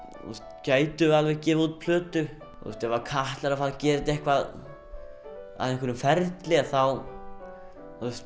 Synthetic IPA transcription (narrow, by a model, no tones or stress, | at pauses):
ṵst̪caːjt̪ʏalvɛɣcɛːvðuːt̪̚pʰlœːt̪ʏ | θṵst̪ɛvaɾkʰaht̪laɾafaːlcɛːɾɪt̪ɛhkvað | a̰ðɛnkʰʏɾʏmfɛɾt̪lɪaθaw | θust̪